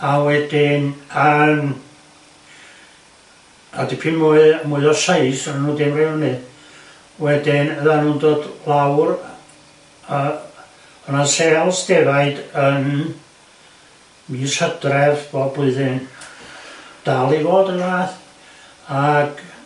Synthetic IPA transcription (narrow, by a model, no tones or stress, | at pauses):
awɛdɪnan | a̰dipʰinmuɨmuɨðɔsaɨsənanuːdɪmrɪwnɨ | wɛdɪnəðanuːndoːdlˠawr | a | ənasɛlˠsd̥ɛvaɨdən | misəd̥rɛðboːbʊɨðɪn | d̥alˠivoːdənaθ | aɡ̥